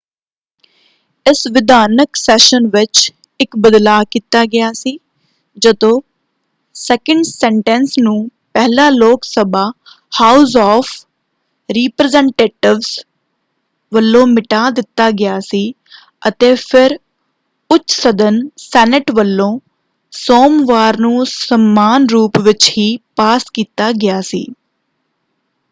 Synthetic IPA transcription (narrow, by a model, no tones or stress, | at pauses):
ɪsʋɪd̪aːnəksɛːʃənʋɪt͡ʃ | ɪkbəd̪laːkiːt̪aːɡɪjaːsiː | d͡ʒəd̪õː | sɛːkəɳɖsɛːɳʈɛ̃ːnsnũːpɛːɦlaːloːksəbaː | haːʊzɔːfʰ | ɾiːpɾəzɛ̃ːɳʈeːʈɪʋz | ʋəlːõːmɪʈaːd̪ɪt̪ːaːɡɪjaːsiː | ət̪eːpʰɪɾ | ʊt͡ʃːsəd̪ənsɛːnɪʈʋəlːõː | soːmʋaːɾnũːsəmːaːnɾuːpʋɪt͡ʃhiːpaːskiːt̪aːɡɪjaːsḭː